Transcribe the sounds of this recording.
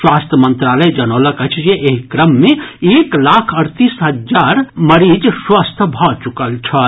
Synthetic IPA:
swast̪ʰjəmənt̪ɾaləjd͡ʒənələkət͡ʃʰd͡ʒeʔeɦikɾəmːeeklakʰəɾt̪isɦəd͡ʒaɾməɾid͡ʒswast̪ʰəbʱɔt͡ʃukəlt͡ʃʰət̪

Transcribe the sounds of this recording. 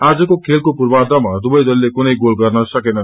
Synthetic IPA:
ad͡zʌkokʰelkopurbad̪ʌmad̪ubʌjd̪ʌlːekunʌjɡolɡʌrnʌsʌkenʌ

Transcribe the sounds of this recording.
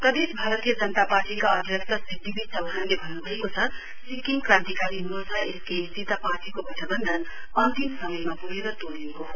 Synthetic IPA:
pɾʌd̪esbʱaɾʌt̪ijʌd͡zʌnət̪aparʈikaʌd̪ʱjʌksʌsid̪ʱibit͡sʰʌwuɦãnlebʱʌnːubʱʌɦekot͡sʰʌ | sikiŋɡkrãnt̪ikaɾiɦumɾot͡sʰʌeskest̪it̪aparʈikobʱʌʈʰəbʌnd̪ʱʌn | ʌnt̪iksʌmʌjmapuɦeɾʌt̪oɽekoɦo

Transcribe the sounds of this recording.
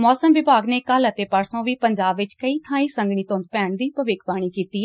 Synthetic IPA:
mɔːsəmʋɪbaːɡneːkələt̪eːpəɾsõːʋiːpəɲd͡ʒaːbʋɪt͡ʃkəiːt̪ʰãːĩːsə̃ŋɡɽiːt̪õnd̪̚pɛːɳd̪iːpəʋɪkʰbaːɽ̃iːkiːt̪iː

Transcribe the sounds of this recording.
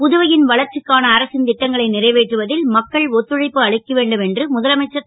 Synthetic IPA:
pʊðɯʋɐjɪnʋɐɭɐɾt͡ʃɪkːaːnɐːɾɐsɪnt̪ɪʈːɐŋɡɐɭɐɪnɪrɐɪʋeːʈrɯʋɐðɪlmɐkːɐɭɔt̪ːɯɻɐɪpːɯɐɭɪkːɐʋeːɳɖɯmɛndrɯmʊðɐlɐmɐɪt͡ʃːɐ

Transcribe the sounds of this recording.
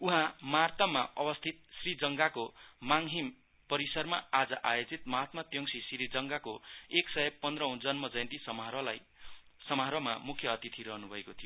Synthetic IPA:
uɦãmart̪ʌmaʔʌbʌst̪ʰit̪̚srid͡zʌŋɡakomaŋɦim | pʌɾisʌrmaad͡zʌʔajod͡zit̪̚mʌɦat̪mat̪jʌŋsisɾid͡zʌŋɡakoeksʌepʌnd̪rʌɦũd͡zʌnmʌd͡zʌjnt̪isʌmaɾʌlaj | sʌmaɦɾʌma̰mukʰjʌːt̪it̪ʰiɾʌɦnubʱʌekot̪ʰijo

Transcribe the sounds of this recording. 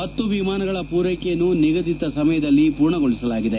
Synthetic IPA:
mɐt̪ːubimaːnɐɡɐɭɐpuːɾɐjkejɐnːuniɡɐd̪it̪ːɐsɐmɐjɐd̪ɐlːipuːɾɳɐɡoɭisɐlaːɡid̪e

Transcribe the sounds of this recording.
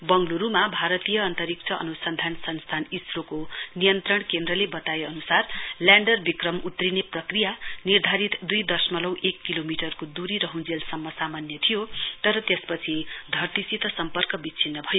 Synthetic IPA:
bʌŋɡluɾumabʱaɾʌt̪ijʌːnt̪ʌɾik̚t͡sʰʌʔʌ̰nusʌnd̪ʱansʰʌnst̪ʰanisɾokonijʌnt̪rʌɽ̃kend̪rʌlebʌt̪ajeʌnusarljaɳɖʌrbikrʌmut̪rineprʌkrijanird̪ʱaɾit̪d̪ujd̪ʌsmʌlʌwʔekːilomiʈʌrkod̪uɾiɾʌɦũd͡zelsʌmːʌsamanjʌt̪ʰijot̪ʌɾʌt̪espʌt͡sʰid̪ʱʌrt̪isit̪ʌsʌmpʌrkʌbit͡sʰinːʌbʱʌjo

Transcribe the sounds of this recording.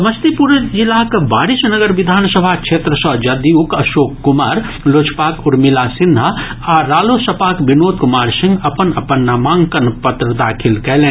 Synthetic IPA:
məst̪ipuɾəd͡ʒilakebaːɾisnəɡəɾʋid̪ʱaːnsəbʱakt͡ʃʰeːt̪ɾəsɔ̃d͡ʒɐd̪iukɐʃoːkːumaːɾ | loːt͡ʃʰpaːkuɾmilasind̪ʱaaɾaːlosəpaːkbinoːt̪̚kumaːɾsĩŋɡɐpənɐpənːamãːŋkənpət̪ɾəd̪aːkʰilkɛlẽː

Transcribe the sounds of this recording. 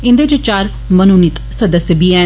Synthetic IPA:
ɪ̃nd̪ed͡ʒet͡ʃaːɾ | mənunɪt̪səd̪əsjəbiːɛː

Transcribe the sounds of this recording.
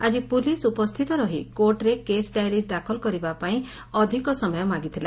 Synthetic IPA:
ad͡ʒipulisupɔst̪ʰit̪ɔɾɔɦikoɾʈɾekesɖajɾid̪akʰɔlkɔɾibapaĩ | ɔd̪ʱikɔsɔmɔjɔmaɡit̪ʰila̰

